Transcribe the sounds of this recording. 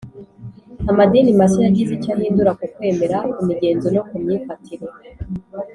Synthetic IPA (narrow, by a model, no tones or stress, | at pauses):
amadinimaʃinaɟiβicahiːnduɾakukwe̞ːme̞ɾaimiɟe̞ːnzonokumɲiːfatʰiɾe